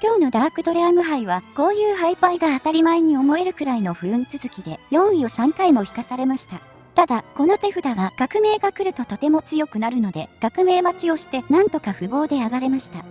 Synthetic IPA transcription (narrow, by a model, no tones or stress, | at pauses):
kʲo̞ːno̞d̪aɡakɯ̟d̪o̞ɾeamɯ̟ɦaiβ̞ako̞ːjɯːhaipaiɡaːt̪aɾʲimaeɲ̟io̞mo̞e̞ɾɯ̟kɯ̟ɾaino̞ɸɯ̟ɾɯ̟̃nt͡sɨzɨkʲid̪e̞jõ̞ɰ̃io̞sãŋkaimo̞çi̥kasaɾe̞maɕi̥t̪a | t̪ad̪ako̞not̪e̞ɸɯ̟d̪aɡaɡ̥akɯ̟me̞ːɡakɯ̟ɾɯ̟t̪o̞t̪o̞t̪e̞mo̞t͡sɨjo̞kɯ̟naɾɯ̟no̞d̪e̞ɡ̥akɯ̟me̞ːmat͡ɕio̞ɕi̥t̪e̞nãnt̪o̞kaɸɯ̟bo̞ːd̪e̞aɡaɾe̞maɕi̥t̪a